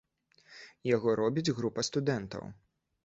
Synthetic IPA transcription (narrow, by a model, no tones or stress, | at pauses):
jaɣɔɾɔbʲid͡zʲɣɾupɐst̪ud̪ɛnt̪ɐ̰w